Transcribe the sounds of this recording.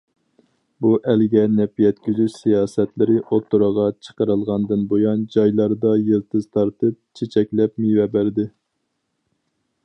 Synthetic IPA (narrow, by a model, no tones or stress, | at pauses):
buʔɛlɡʲɛnɛpjɛt̪̚kʲyzyʃsijɑːsɛt̪lɪɾɪʔot̪ʰːuɾəʁɑt͡ʃʰə̥qəɾɨlˠʁɑnd̪ɨnbojɑnd͡ʒɑjlˠɑɾd̪ɑjelˠt̪ʰɨzt̪ʰɑɾt̪ɨp̚t͡ʃʰet͡ʃʰɛkʲlɛp̚mivɛbæɾd̪ɪ